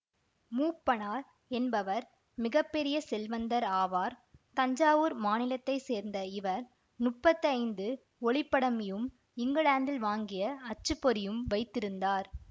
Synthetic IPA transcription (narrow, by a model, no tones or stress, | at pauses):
muːpːɐɳaːɾ | ɛnbɐʋɐɾ | mɪɣɐpːɛɾɪjɐsɛlʋɐnd̪ɐɾaːʋaːɾt̪ɐɲd͡ʒaːʋɯːɾmaːnɪlɐt̪ːɐɪseːɾnd̪ɐɪʋɐɾ | nʊʈpːɐt̪ːiɐɪnd̪ɯ | ɔɭɪpːɐɽɐmɪjɯm | ɪŋɡɐɭaːnd̪ɪlʋaːŋɡɪjɐɐt͡ʃːɯpːɔɾɪjɯmʋɐɪt̪ːɪɾɯnd̪aːɾ